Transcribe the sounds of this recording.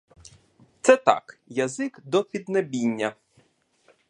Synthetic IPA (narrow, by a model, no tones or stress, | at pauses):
t̪sɛt̪ɑ̰kjɐzɪkd̪ɔpʲid̪nɐbʲinʲːɐ